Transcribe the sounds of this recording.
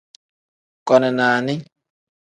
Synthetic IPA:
kʼɔ˨nɛ˨naː˨nɪ˦

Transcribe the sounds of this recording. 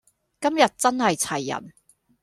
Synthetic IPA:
kɐ˥mjɐ˨t̚t͡sɐ˥nhɐ˨jt͡sʰɐ˨˩jːɐ̰˨˩n

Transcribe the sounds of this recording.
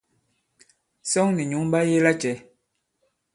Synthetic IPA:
sɔ˦ŋni˨ɲu˨˦ŋba˦je˦la˦t͡ʃɛ˨˦

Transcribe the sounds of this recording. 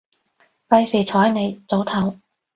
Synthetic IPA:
fɐ˧jsiː˨˩t͡ʃʰɔː˨˥jne˨˧jt͡so˨˥wt̪ʰɐ˨˥w

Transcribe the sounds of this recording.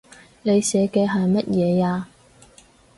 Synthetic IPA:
ne˨˧jsɛː˨˥kɛː˧ɦɐ˨jmɐ˥t̚jɛː˨˧jaː˧

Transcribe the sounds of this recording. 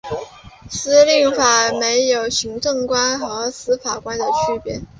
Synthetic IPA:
sɹ̩˥li˥˩ŋfa˨˩me˧˥ɪjo˨˩ʊɕi˧˥ŋʈ͡ʂɤ˥˩ŋkwa˥nxɤ˧˥sɹ̩˥fa˨˩kwa˥nd̪ə˨t͡ɕʰy˥pjɛ̰˧˥˦n

